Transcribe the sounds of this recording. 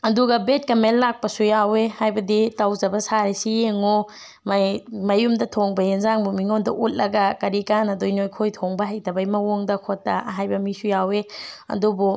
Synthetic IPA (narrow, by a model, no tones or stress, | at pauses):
ɐduɡɐbet̚kɐmelːak̚pɐsujawehajbɐditawzɐbɐsaɾisijeŋo | mmɐjumdɐtʰoŋbɐjenzaŋbumiŋondɐ̰ʔut̚lɐɡɐkɐɾikanɐdojnojkʰojtʰoŋbɐɦɐjtɐbɐjmɐwoŋdɐkʰotːɐ̰ɦajbɐmisujaweɐ̰dubu